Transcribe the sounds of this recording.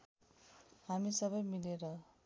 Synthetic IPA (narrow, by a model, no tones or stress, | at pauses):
hamisʌbʌjmileɾʌ